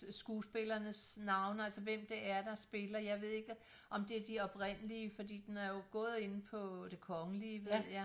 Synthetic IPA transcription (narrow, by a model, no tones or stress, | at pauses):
sɡ̥uːsb̥e̝lɐnəsnɑ̈ʊnælsɐʋem̰d̥eʔæɐd̥ɑ̈sb̥e̝lɐjɑ̈ɪʋe̝ð̰ˠeɡ̥ə | ʔɒ̽md̥e̝æɐd̥iɒ̽b̥ʁen̰əliəfɒ̽d̥ḭːd̥enæɐjo̝ɡ̥ɔ̽ːð̞ˠe̝n̩pʰɒ̽d̥e̝kʰɒ̽ŋəliʋe̝ð̰ˠjæ